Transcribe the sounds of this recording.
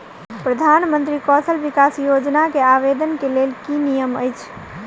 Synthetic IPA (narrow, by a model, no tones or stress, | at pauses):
pɾəd̪ʱanmənt̪ɾikɔsʰəlʋikasjod͡ʒnakeaʋed̪ənkelelkinijəməjt͡ʃʰ